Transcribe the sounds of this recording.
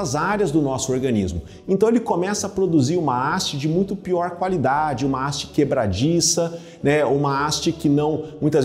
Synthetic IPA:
ɐzaɾjɐzd̪ʊnɔsʊoɾɡɐ̃nḭzmʊ | ẽnt̪ɐ̃w̃elɪkomɛsɐːpɾod̪uziɾũmɐast͡ʃɪd͡ʒɪmũj̃t̪ʊpiɔɾkwalid̪ad͡ʒɪũmɐast͡ʃɪ̥kebɾa̰d͡ʒisɐ | nɛũmɐast͡ʃɪkɪnɐ̃w̃mũj̃t̪ɐz

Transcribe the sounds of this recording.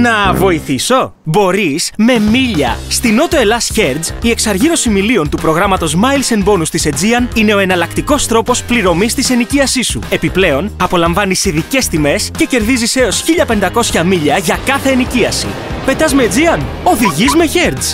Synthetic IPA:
nɐvo̞iθiso̞ | bo̞ɾisme̞miʎɐ̰st̪ino̞t̪o̞e̞lɐsçe̞ɾd̪zie̞ksɐɾʝiɾo̞similio̞nt̪upɾo̞ɣɾɐmɐt̪o̞zmɐilse̞nbo̞nust̪ise̞d͡ziɐnine̞o̞e̞nɐlɐkt̪iko̞st̪ɾo̞po̞spliɾo̞mist̪ise̞niciɐsisue̞piple̞o̞nɐpo̞lɐɱvɐnisiðice̞st̪ime̞sce̞ce̞ɾðizise̞o̞sçiʎɐpe̞nd̪ɐko̞sçɐmiʎɐʝɐkɐθe̞ːniciɐsḭpe̞t̪ɐzmed͡ziɐn | o̞ðiʝizme̞çe̞ɾz

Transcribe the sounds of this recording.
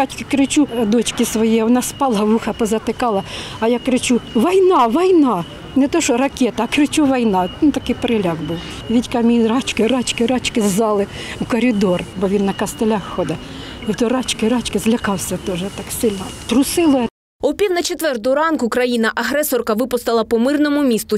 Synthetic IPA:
ɑt͡ʃʲkɪkɾɪt͡ʃud̪ɔt͡ʃkɪsʋɔjiʋɔnɑspɑlˠɐʋuxɐpɔzɐt̪ɪkɑlˠɐɐjɑkɾɪt͡ʃuʋɐjnɑʋɔjnɑ | nɛt̪ɔʃɔrɐkʲɛt̪ɐːkɾɪt͡ʃuʋɐjnɑt̪ɐkɪjpeɾɪlʲɑɡbuw | ʋʲitʲkɑmʲijrɑt͡ʃkɪɾɑt͡ʃkɪɾɑt͡ʃkɪzzɑlˠɪukɔɾʲɪd̪ɔrbɔʋʲinːɐkɐst̪elʲɑxːɔd̪ɐ | iwt̪ɔrɑt͡ʃkɪɾɑt͡ʃkɪzlʲɐkɑwsʲɐt̪ɔʒɛt̪ɑksɪlʲnɔt̪ɾʊsɪlˠɔ | ɔpʲiwnɐt͡ʃet̪ʋɛrt̪ɔʊɾɑnkʊkɾɐjinɐʔɐɦɾɛsɔrkɐʋɪpʊst̪ɐlˠɐpɔmɪrnɔmʊmʲist̪ʊ

